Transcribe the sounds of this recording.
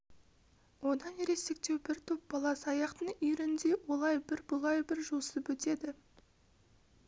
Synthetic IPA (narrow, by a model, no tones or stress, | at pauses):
wo̞d̪ɑnjeɾe̞sek̚t̪e̞wbɪɾt̪ʰʊp̚b̥ɑlˠɑsɑjɑqt̪əɴʏjɾɪnd̪e̞wo̞lˠɑjbɪɾbʊlˠɑjbɪɾʒusəpwɵt̪e̞d̪ɪ